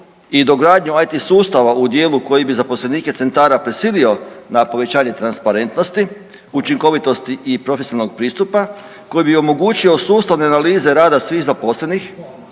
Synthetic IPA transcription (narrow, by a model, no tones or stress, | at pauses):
id̪oɡɾaːd̪ɲuajt̪isuːst̪aʋaud̪je̞ːluko̞jibizapo̞sleniːket̪se̞nt̪aːɾapɾesiːlio̞napo̞ʋe̞t͡ɕaːɲe̞t̪ɾanspaɾe̞nt̪no̞st̪i | ut͡ʃiŋko̞ʋit̪o̞st̪iʔipɾo̞fesinalnoɡ̚pɾiːst̪upa | ko̞jibio̞mo̞ɡuːt͡ɕio̞suːst̪aʋne̞analiːze̞ɾaːd̪asʋiːxzapo̞sle̞nix